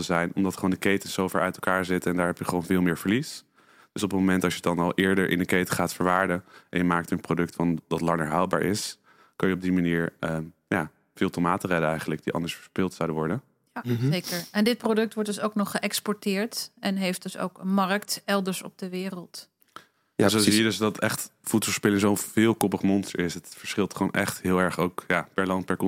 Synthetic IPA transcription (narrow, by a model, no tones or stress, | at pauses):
təzɛjnɔmdɑtχoːndəkejtənz̥owvɛɹʔœ̰ɥtɛlˠkaːɹzɪtəɛndaːɹɦɛpjəχəʋownvɪːlˠmɪːɹvəɹlis | d̥ɵsɔpənmomɛntɑʃjədɑnɑlˠʔɪːɹdəɹʔɪ̰ndəkejtəχaːtfəɹʋaːɹdəʔɛ̰njəmaːk̚tənprodɵktfɑndɑtlɑŋəɹɦawl̚ˠba̰ːɹʔɪ̰s | kɑnjəɔb̚dimaniːɹəjaː | v̥ɪːlˠtomaːtərɛdəɛjχən̩ləɡ̚d̥iʔɑ̰ndəɹsfəɹspɪlˠtsawdəʋɔɹdən | ejkəɹɛndɪt̚prodɵk̚tʋɔɹtdɵsowknɔχːəʔɛkspɔɹtɪːɹtɛnɦejft̚d̥ɵso̰wkəmɑrktɛlˠdəɹsɔ̰b̚dəʋɪːrəlˠt | zosijiədøsdɑtɛχtfutsɔspɪlɪŋzowvɪːlˠkɔpəχmɔnstə̰ɹɪsətfəɹsχɪlˠtχownʔɛ̰χtɦɪːlˠɛɹχowkjaːpɛɹlɑnt̚pɛɹkɔ